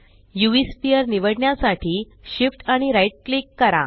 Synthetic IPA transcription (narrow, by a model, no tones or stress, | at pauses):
juespiəɾniʋəɽɳjasaʈʰiː | ɕifʈaɽ̃iɾajʈ̚klikːəɾa̰